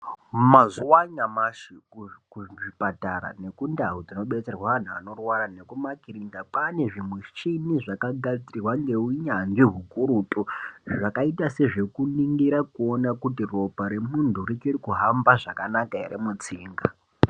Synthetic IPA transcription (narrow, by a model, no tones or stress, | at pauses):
mazuwaɲamaʃiukuʐʐipataɾa̰ne̞kundaɦud͡zino̞ɓe̞t͡serwaʋan̤ua̰no̞rwaɾane̞kumakiɾindapane̞ʐimwet͡ʃiniʐakaɡad͡ziirwaŋɡe̞uiɲanʐiɦukuɾuːtʼuʐakaitase̞ʐe̞kuniŋɡiɾakuo̞nakutiro̞paɾemuntʰurit͡ʃorikuɦambaʐakanakaḛɾemut͡siːŋɡa